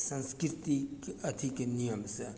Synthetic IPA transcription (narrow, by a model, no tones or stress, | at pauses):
sanskirt̪ikat̪ʰikənijamsə